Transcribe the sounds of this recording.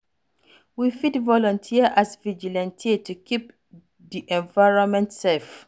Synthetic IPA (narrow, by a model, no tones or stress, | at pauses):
wifidvɔlɔ̃ntʰiəʔasvid͡ʒilɛ̃ntʰiətʰukʰip̚ | diʔɛ̃nvaɪɹɔ̃nmɛ̃ntsɛlf